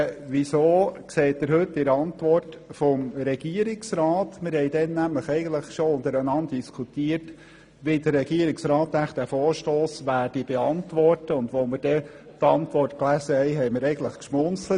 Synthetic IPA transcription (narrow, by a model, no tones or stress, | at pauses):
ʋisoːkseːt̚dəɾɦɵtːɪɾɑntʋɔrtfɔmɾɛɡ̥iəɾɪksɾɑːtmɪɾhɛɪdɛnːæmləχɛɪɡən̩tləχʃoʊnd̪əɾənɑnddiskʰutiəɾt | ʋɪdəɾːɛɡiəɾɪksɾɑːtːæχd̥æfoːɾʃtoːsʋæːɾd̥ibeɑntʋɔrtəʊnd̪ʋomɪɾd̥ɛ | tɑntʋɔrt̚klæsəhɛɪɦɛɪmɪɾɛɪɡən̩tləχkʃmɔnt͡slət